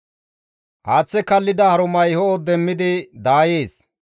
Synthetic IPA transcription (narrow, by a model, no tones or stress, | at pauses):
ʔaːt͡sːɛkɐlːɪd̪ɐhɐɾʊmɐjhɔːd̪ɛmːɪd̪ɪd̪aːje̞ːs